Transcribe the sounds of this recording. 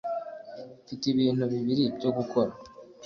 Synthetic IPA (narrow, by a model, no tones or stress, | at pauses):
fitiβiːn̥huβiβiɾibɟo̞ɡukʰo̞ɾa